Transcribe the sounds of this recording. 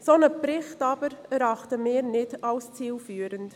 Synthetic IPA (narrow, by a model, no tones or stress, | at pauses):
sonəpɾɪχtɑbəɾɛɾɑχtəmɪːɾnɪdɑlst͡siːlfyːɾənt